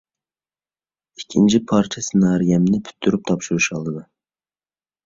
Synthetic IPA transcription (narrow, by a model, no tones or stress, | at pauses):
ikʲʰːint͡ʃʰipʰɑɾt͡ʃʰɛsɪnɑːɾijɛmnɪpʰy̥t̪ʰːyɾyp̚t̪ʰɑpʃuɾuʃɑlˠd̪ɨd̪ɑ